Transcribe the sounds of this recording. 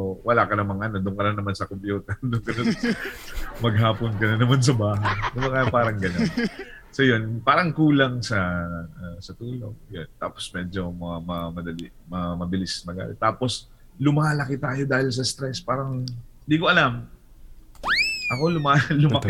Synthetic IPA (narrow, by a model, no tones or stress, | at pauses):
wɐlakɐnɐmɐŋʔɐnod̪ʊŋkɐnɐnːɐmansɐkompjuːt̪ɐd̪ʊŋkɐnɐ | mɐɡ̚ɦaːponkɐnɐnɐmans̬ɐbaːɦɐjnʊmɐŋɐpaːɾɐŋɡɐnonsojo̞npaːɾɐŋkuːlɐŋsɐasɐt̪uːlo̞̰ɡjont̪a̰ːpo̥smɛːd͡ʒo̞mɐamɐmɐd̪ɐlɪ | mɐmɐbɪlɪsmɐɡa̰lɛ̰t̪aːpo̞s | lʊmaːlɐkɪt̪aːjo̞d̪aːhɪls̬ɐst̪ɾɛspaːɾɐŋɪnd̪ikoʔɐlam | ʔɐko̞lʊmaːlʊmmɐk